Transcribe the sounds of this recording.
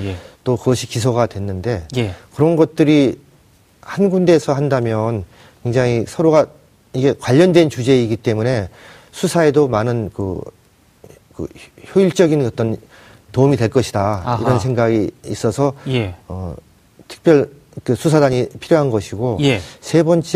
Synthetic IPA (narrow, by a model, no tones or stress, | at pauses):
t͈okɯɡʌɕʰikis̬ʰoɡadwe̞nːɯnde̞jkɯɾʌnɡʌt̚t͈ɯɾi | hanɡunde̞ːsʰʌɦandamjʌn | kwe̞ŋd͡ʑaŋisʰʌɾoɡa | iɡe̞kwaʎːʌndwent͡ɕud͡ʑe̞iɡit͈e̞mune̞ | sʰusʰae̞domanɯnkɯ̰ | kɯ̰çjoiɭt͡ɕ͈ʌɡinʌt͈ʌn | toumidwe̞ɭk͈ʌɕʰidaḭɾʌnsʰe̞ŋɡaɡiːs͈ʌsʰʌʌ̰ | tʰɯ̥k̚p͈jʌɭ | kɯsʰusʰadaɲipʰiɾjoɦanɡʌɕʰiɡojesʰe̞bʌnt͡ɕ͈